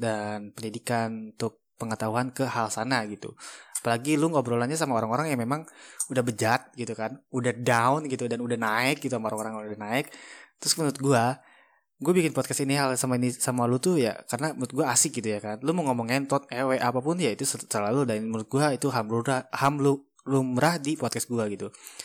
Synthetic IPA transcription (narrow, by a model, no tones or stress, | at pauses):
danpəɲidikanunt̪ʊk̚pəŋət̪aɦuɦankəhalsanaɡit̪ṵḁpalaɡiluŋɡabəɾolaɲas̬amaoɾaŋoɾaŋjamemaŋudahbəd͡ʒat̪̚ɡit̪ukanudahdaʊnɡit̪udanudahnaɪk̚ɡit̪uamaoɾaŋoɾaŋdahnaɪk̚t̪ɾʊsmənʊt̪̚ɡua | ɡuabikɪnpɔt̪kɛst̪iniɦalsamainisamalut̪uja̰karənaməɾʊt̪̚ɡuaːsɪk̚ɡit̪ujakanluməŋomɔŋɛnt̪ɔt̪̚ɛweʔapapʊnjait̪ussəlaludamɾʊt̪̚ɡuait̪uɦamluɾahamlu | lumɾahdipɔt̪̚kɛsɡuaɡit̪u